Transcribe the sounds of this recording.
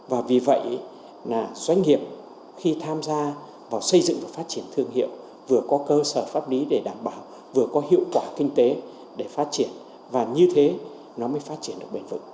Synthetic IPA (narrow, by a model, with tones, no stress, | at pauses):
vaː˨˩vi˨˩və̰˧˨jʔ | laː˨˩zwa˧jŋ̟ŋi˨˩əp̚ | xi˧t̪ʰaː˧mzaː˧ | vaː˨˩wsə˧jzɨ̰˧˨ŋvə˨˩fa˦˥t̚t͡ɕi˧˩ənt̪ʰɨ˧əŋɦḭ˧˨əw | vɨ˨˩əkɔ˨˦kəː˧səː˧˩faː˦˥p̚li˨˦ɗe˧˩ɗaː˧˩mɓaː˧˨w | vɨ˨˩əkɔ˨˦hḭ˧˨əwkwaː˧˩kï˧ŋ̟t̪e˨˦ | ɗe˧˩faː˦˥t̚t͡ɕi˧˩ən | vaː˨˩ɲɨ˧t̪ʰe˨˦ | nɔ˨˦məː˨˦jfaː˦˥t̚t͡ɕi˧˩ənɗɨ˨˩k̚ɓe˨˧˩nvɨ̰˧˨ŋ